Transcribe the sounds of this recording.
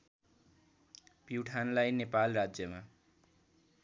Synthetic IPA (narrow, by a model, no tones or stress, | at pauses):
piwʈʰanlajnepalrad͡zjʌma